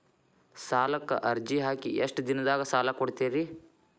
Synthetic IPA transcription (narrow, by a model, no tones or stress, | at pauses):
saːlɐkːɐ̰ʔɐɾd͡ʒiɦaːkiʔeʂʈd̪inɐd̪aːɡɐsaːlɐkoɽt̪eːɾi